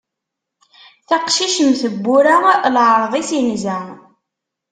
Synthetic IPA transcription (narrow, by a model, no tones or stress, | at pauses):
θæqʃiʃəmθəbːʊɾalʕɾˤðˤisinzæ